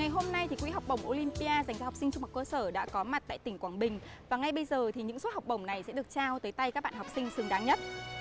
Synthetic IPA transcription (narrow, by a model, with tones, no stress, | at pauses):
ŋa˨˩jɦo˧mna˧jt̪i˨˩kwḭ˧˥˦ɦa˨˩wk͡p̚ɓə˧˩wŋ͡mʔo˧li˧mpi˧aː˧za˨˩jŋ̟zaː˧hwk͡psi˧ŋ̟t͡ɕʊ˧ŋ͡mma˨˩kəː˧səː˧˩ɗa̰ː˧˥kɔ˨˦ma˨˩t̚t̪a̰ː˧˨jt̪ï˧˩ŋ̟kwaː˧˩ŋɓï˨˩ŋ̟vaː˨˩ŋa˧jɓə˧jzəː˨˩t̪ʰi˨˩ɲɨ̰˧˥ŋso˦˥t̚ha˨˩k͡p̚ɓə˧˩wŋ͡mna˨˩jsɛ̰˧˥ɗɨ˨˩ək̚t͡ɕaː˧wt̪əː˨˦jt̪a˧jkaː˦˥k̚ɓa̰ː˧˨ha˨˩wk͡p̚sï˧ŋ̟sɨ˨˩ŋɗaː˨˦ŋɲə˦˥t̚